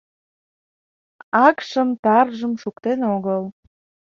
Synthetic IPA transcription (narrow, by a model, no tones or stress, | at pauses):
ɑkʃəmt̪ɑrʒəmʃukt̪enoɣəl